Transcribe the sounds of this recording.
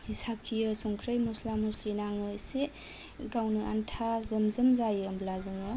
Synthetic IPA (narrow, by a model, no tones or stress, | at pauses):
isakʰːijɯsɔŋkʰɾəjmɔslamuslinaŋɯse | ɡawnɯa̰ntʰazɯmzɯmzajɯmblazɯŋɯ